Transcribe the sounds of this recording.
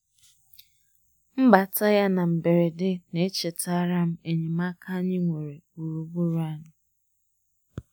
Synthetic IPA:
m̩˦ba˨ta˦ja˦na˨m̩˨be˨ɾe˨dɪ˦ne˨e˦t͡ʃe˨ta˦ɾa˦m̩˦e˨ɲe˨ma˦kʰa˦ɲɪ˦ŋʷe˨ɾe˨u˨ɾu˨bu˦ɾa˦nʊ˨

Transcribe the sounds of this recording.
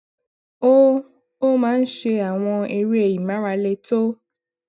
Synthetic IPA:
o˦ | o˦mãː˨˦n̩˦ʃe˧a˨w̃ɔ̃˧e˧ɾi˦e˨ji˨mã˨˦ɾa˧le˧to˦

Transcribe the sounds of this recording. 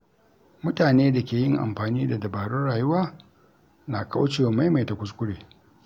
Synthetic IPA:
mʊ˦taː˨neː˦da˨kʲeː˨jɪ˦ŋʔa̰˨mɸaː˨niː˦da˨dɐ˨baː˨ɽʊ˦nɽaː˨jʊ˦waː˦ | na˨ka˦wt͡ʃeː˨wa˨ma˦jma˨jta˨kʷʊ˦s̬kʷʊ˦ɽeː˨

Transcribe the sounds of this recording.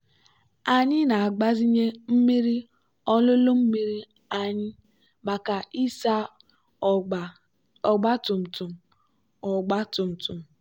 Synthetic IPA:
a˨ɲɪ˦na˨a˨ɡ͡ba˦zi˦ɲe˦m̩˦mi˦ɾi˦ | ɔ˦lʊ˦lo˦m̩˦mi˦ɾi˦ | a˨ɲɪ˦ | ma˨ka˨i˦sa˦˨ | ɔ˨ɡ͡ba˦tʊ˨m̩˨tʊ˨m̩˨ | ɔ˨ɡ͡ba˦tʊ˨m̩˨tʊ˨m̩˨

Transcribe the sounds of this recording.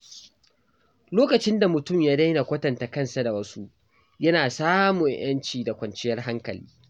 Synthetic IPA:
loː˦kɐ˨t͡ʃɪ˦nda˨mʊ˨tʊ˦˨mjaː˦da˦jna˨kʷɐ˦tɐ˨nta˨kɐ˦nsa˨da˨wɐ˦su˦ʔ | jɐ˦naː˨saː˦mʊ˨ɲj̰ɐ˦nt͡ʃiː˨da˨kʷɐ˨nt͡ʃɪ˦jɐ˦rɦa˦ŋkɐ˨lḭː˦

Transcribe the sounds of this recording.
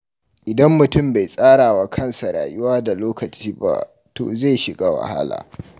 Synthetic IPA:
ʔɪ˨dɐ˦mːʊ˨tʊ˦˨mba˨jsʼaː˦ɽaː˨wa˦kʰɐ˦˨nsa˨ɽa̰ː˨jʊ˦waː˦da˨loː˦kɐ˨t͡ʃiː˦ba̰˦ | to̰ː˨za˦˨jʃɪ˨ɡa˦wa̰˨ha̰˦la̰ː˨

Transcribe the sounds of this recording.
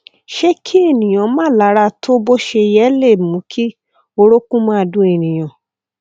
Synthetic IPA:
ʃe˦kʰi˦e˦˨nĩ˨j̃ã˨˦mãː˦la˨˦ɾa˧tʰo˦bo˦ʃe˧jɛ˦le˦˨mũ˨˦kʰi˦ | o˧ɾo˦kũ˦mã˦a˧dũ˧˦e˨nĩ˨j̃ã˨

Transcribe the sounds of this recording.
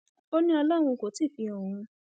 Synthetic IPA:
o˦nĩ˦ɔ˧la˦˨w̃ũ˧ko˨˦ti˦˨fi˨˧õ˨ũ˧

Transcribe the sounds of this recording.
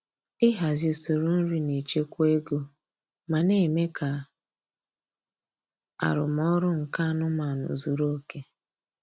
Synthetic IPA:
ɪ˦ɦa˨zi˨so˨ɾo˦n̩˦ɾi˦ne˨t͡ʃe˦kʷe˦ɡo˦ | ma˨ne˦˨me˦ka˨ | a̰˨ɾʊ˨m˦ɔ˦ɾʊ˦ŋ̩˨ka˦nʊ˦ma˨nʊ̰˨zu˨ɾo˦ke˦

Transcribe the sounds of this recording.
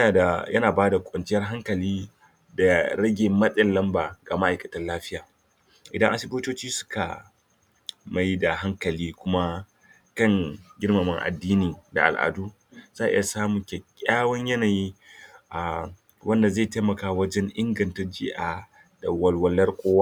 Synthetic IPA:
jɐ˦naː˨baː˦da˨kʷʼɐ˨nt͡ʃɪ˦jɐ˦rɦa˦ŋkɐ˨liː˦ | da˨ɾɐ˦ɡʲeː˨mɐ˦ɗʼɪ˨nlɐ˦mbaː˨ɡaː˨ma˦ʔa˨jkɐ̥˨tɐ˦nlaː˦ɸɪ˦jaː˨ | ʔɪ˨dɐ˦ŋʔa˦sɪ˦boː˦toː˦t͡ʃiː˦sʊ̥˦ka̰˨ | ma˦jda˨ɦa˦ŋkɐ˨liː˦kʷʊ˦ma˦ | kɐ˦˨ŋɡʲɪ˦rmɐ˨mɪ˦ŋʔa̰˨dːiː˦niː˨da̰˨ʔa̰˨lʔa̰˨duː˦ | zaː˦˨ʔɪ̰˦ja˨saː˦mu˨kʲe˨kʲʼaː˦wɐ˦ɲjɐ˦naː˨jiː˦ʔa˨ | wɐ˦nda˨za˦˨ta˦mɐ˨kaː˦wɐ˦d͡ʒɛ˦ŋʔɪ˦ŋɡɐ˨ntɐ˦rd͡ʒɪ˦ʔa˨ | da˨wɐ˦lwɐ˦lːɐ˦rkʷʼoː˦wa˦

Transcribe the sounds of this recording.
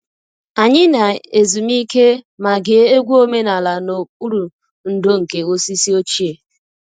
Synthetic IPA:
a˨ɲɪ˦na˨e˨zu˨mi˦ke˦ma˨ɡe˨˦e˦ɡʷu˦o˦me˦na˨la˨no˨k͡pu˦ɾu˨ | n̩˨do˦ŋ̩˨ke˨ɣo˦si˦si˦o˦t͡ʃi˦e˨

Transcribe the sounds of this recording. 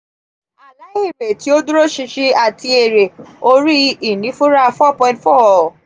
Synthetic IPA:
a˨la˨˦i˦˨be˨ti˨˦o˦du˦ɾo˦ʃi˧ʃi˦a˨tʰi˧e˨ɾe˨o˧ɾi˦i˦˨nĩ˨˦fũ˦ɾa˦fɔ˦˨pɔ̃˧ĩ˦ntfɔ˦˨

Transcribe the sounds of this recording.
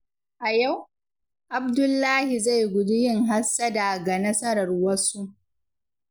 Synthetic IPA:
ʔa˨ja˦˨w | ʔa˨b̚dʊ˦lːaː˦hi˨za˦˨jɡʷʊ˨dʊ˦jɪ˦˨ŋɦa˦sːa˦da˨ɡa˨nɐ˦sɐ˦ɾɐ˨rwɐ˦su˦ʔ

